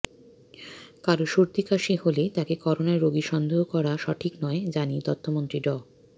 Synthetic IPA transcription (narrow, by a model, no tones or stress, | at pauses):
kaɾoʃuɾt̪ikaʃiholet̪akekɔɾonaeɾoɡiʃɔnd̪ʱoɦokɔɾaʃɔʈʰiknɔed͡ʑanit̪ɔt̪ʰːomont̪ɾiɖɔ